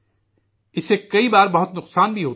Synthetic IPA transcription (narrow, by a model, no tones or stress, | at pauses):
ɪsːekɐibaːɾbɐɦʊt̪nʊqsaːnbʱiɦoː